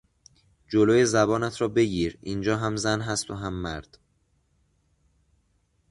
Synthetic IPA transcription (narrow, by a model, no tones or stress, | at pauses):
d͡ʒoloːje̞zæbɒːnæt̪ʰɾɒːbe̞ɟiːɾiːnd͡ʒɒːɦæmzænɦæst̪ʰoɦæmːæɾd̪̥